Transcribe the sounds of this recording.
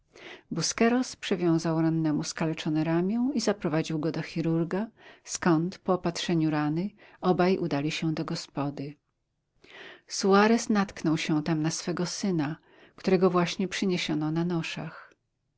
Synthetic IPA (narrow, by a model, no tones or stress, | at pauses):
buskɛɾɔspʂɛvʲjɔ̃w̃zawɾanːɛmuskalɛt͡ʂɔnɛɾamʲjɛ̃w̃izapɾɔvad͡ʑiwɡɔd̪ɔxʲiɾuɾɡaskɔnt̪pɔːpat̪ʂɛɲuɾanɘɔbajʔud̪alʲiɕɛd̪ɔɡɔspɔd̪ɘ | suaɾɛsnat̪knɔwɕɛ̃t̪amnasfɛɡɔsɘna | kt̪uɾɛɡɔvwaɕɲɛpʂɘɲeɕɔnɔnanɔʂa̰x